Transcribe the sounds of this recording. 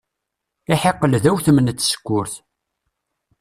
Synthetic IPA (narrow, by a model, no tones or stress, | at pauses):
ɪħeqːəlðæwθəmənət͡s̪ːsə̥kʷːʊɾθ